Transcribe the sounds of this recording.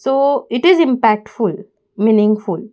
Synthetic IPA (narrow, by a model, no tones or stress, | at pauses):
soːɪʈɪzɪ̃mpæk̚ʈfʊl | minɪ̃ŋɡfʊl